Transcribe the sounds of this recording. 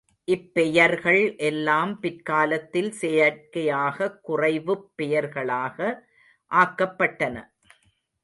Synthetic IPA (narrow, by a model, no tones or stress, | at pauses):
ʔɪpːɛjɐɾɣɐɭʔɛlːaːmpɪɾkaːlɐt̪ːɪlsɛjɐɾkɐjaːɣɐkːʊrɐɪʋɯpːɛjɐɾɣɐɭaːɣɐ | ʔaːkːɐpːɐʈːɐnɐ̰